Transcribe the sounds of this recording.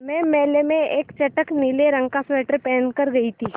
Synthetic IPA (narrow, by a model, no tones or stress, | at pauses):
mɛ̃ːmɛːlemẽeːkt͡ʃɐʈəkniːleɾɐ̃ŋɡkasʋɛːʈəɾpɛːnkɐɾɡɐit̪ʰiː